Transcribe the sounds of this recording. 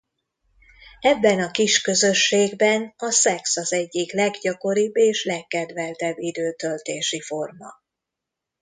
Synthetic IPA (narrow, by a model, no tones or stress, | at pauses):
ɛbːɛnɒkiʃkø̞zøʃːeːɡbɛnɒsɛksɒzɛɟːiklɛɡɟɒko̞ɾibːeːʃlɛkːɛd̪vɛlt̪ɛbːid̪øːt̪ølt̪eːʃifo̞rmɒ̰